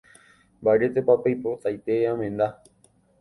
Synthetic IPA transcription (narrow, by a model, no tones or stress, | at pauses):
mbaɾet̪epapajpot̪ajt̪eãmẽnd̪a